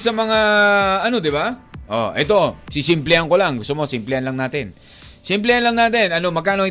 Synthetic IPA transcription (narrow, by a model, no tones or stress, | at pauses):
sɐmɐŋaɐno̞d̪ɪbaʔo̰ʔɛ̰t̪o̞sɪsɪmplɛhaŋkolaŋɡʊst̪omosɪmplɛhanlɐŋnaːt̪ɪn | sɪmplɛhanlɐŋnaːt̪ɪnɐno̞mɐɡ̚kaːnoŋ